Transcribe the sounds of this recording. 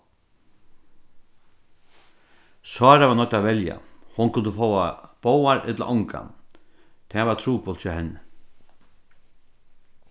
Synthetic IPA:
sɑːɾavanɔt̪ːaʋɛlja̰hʊnkʰʊnt̪əfowab̥oːwaɾʔɛ̰t̪la̰ʔɔŋka̰ | t̪ʰɛːvat̪ʰɾuːpɔlt͡ʃɔhɛnːɪ

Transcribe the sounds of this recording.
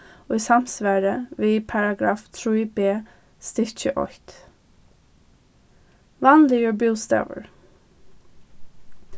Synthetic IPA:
ɔɪsam̥sʋæːɾəʋiːpʰɑɹaɡɾɑːft̪ʰɹuːbeː | st̪ɪɹt͡ʃəʔɔ̰ht̪ | lanlɪəɹbuːlst̪ɑ̰ːvə̰ɹ

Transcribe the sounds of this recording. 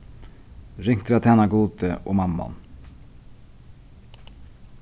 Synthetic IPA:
ɾɪŋt̪ʰɾɑt̪ʰæːnɑɡuːd̪əʔo̰ːmɑmɑ̰n

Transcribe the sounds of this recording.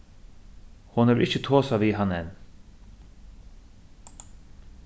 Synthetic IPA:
hʊnɛːʋʔɪçət̪ʰoːsaʋiːɦɑnɛn

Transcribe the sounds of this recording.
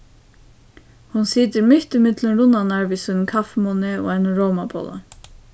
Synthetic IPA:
hʊnsiːd̪əɾmʏht̪ɪmɪd̪lənɾʊnanæɹʋisənkʰafmunɪo̰ːɛnəɾoːmabo̰ːla̰n

